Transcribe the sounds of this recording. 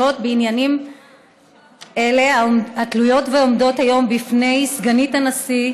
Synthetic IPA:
o̞tbeinjanim | e̞le̞aatlujo̞tveo̞mdo̞thajo̞mbifne̞jsɡanitanasi

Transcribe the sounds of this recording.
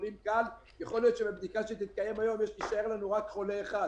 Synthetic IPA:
limkal | jeχo̞lijo̞t̪ʃebebd̪ikaʃet̪it̪̚kaje̞majo̞mjeʃliʃae̞ʁlanuʁakχo̞leːχad

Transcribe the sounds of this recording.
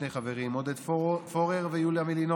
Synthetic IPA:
nejχaveʁimod̪ed̪foʁeʁvejuljamilino

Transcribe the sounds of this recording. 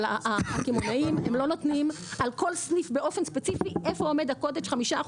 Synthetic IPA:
aakimonaimemlo̞no̞t̪nim | alko̞lsnifbeʔo̞fenspet͡sifiʔefoome̞d̪ako̞d̪eʃχamiʃa

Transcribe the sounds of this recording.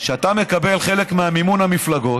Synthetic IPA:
ʃeat̪ame̞kabe̞lχe̞le̞kmeamimunhamiflaɡo̞t

